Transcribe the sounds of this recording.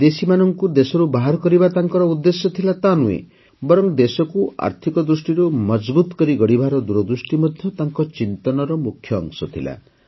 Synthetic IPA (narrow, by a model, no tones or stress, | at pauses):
d̪esimanɔŋkud̪esɔɾubaɦaɾɔkɔɾibat̪aŋkɔɾɔud̪ːesjɔt̪ʰilat̪anuḛ | bɔɾɔŋd̪esɔkua̰ɾt̪ʰikɔd̪ɾusʈiɾumɔd͡ʒbut̪kɔɾiɡɔɽibʱaɾɔd̪uɾɔd̪ɾusʈimɔd̪ʱjɔt̪aŋkɔt͡ʃint̪ɔnɔɾɔmukʰːjɔ̰ːŋsɔt̪ʰila̰